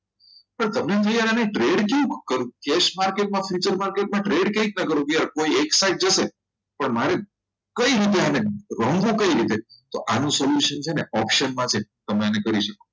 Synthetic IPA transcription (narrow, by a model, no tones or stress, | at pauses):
pəɳt̪əmnet̪ʰəjananeʈɾeɖkeũkəɾũkeʃmaɾkeʈ̚mãfjit͡ʃəɾmaɾkeʈ̚mãʈɾeɖkeik̚nəkəɾũɡjaɾkoieksajʈ̚d͡ʒəʃe | pəɳmaɾe | kəiɾit̪̬eaneɾəmɡũkəiɾit̪et̪oʔanũsoljuʃənt͡ʃʰeneʔɔpʃənmãt͡ʃʰet̪əmeanekəɾiʃəkõ̥